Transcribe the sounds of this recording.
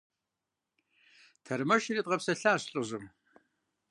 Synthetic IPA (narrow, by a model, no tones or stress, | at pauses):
tʰɐrmɐʃirit̚ʼʁɐpsɐɬaːɕɬʼɨʑɨm